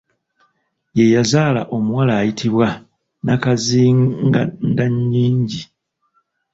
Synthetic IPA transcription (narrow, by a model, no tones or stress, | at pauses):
je̞jazaːla̰ʔo̞muwalaːjitʰiβwa | nakaziɡandaɲːiːɲɟi